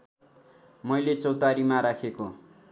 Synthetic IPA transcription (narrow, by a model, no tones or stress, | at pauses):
mʌjlet͡sʌwt̪aɾimaɾakʰeko